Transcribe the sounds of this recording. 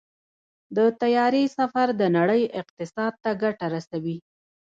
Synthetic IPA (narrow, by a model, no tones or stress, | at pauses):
d̪ət̪ajɑɾisafaɾd̪ənaɽəjɪq̚t̪ɪsɑd̪̚t̪aɡaʈaɾasawi